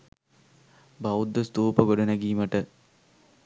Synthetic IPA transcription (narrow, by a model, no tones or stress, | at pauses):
bawud̪ːəst̪oːpəɡoɖɐnɐɡiːməʈə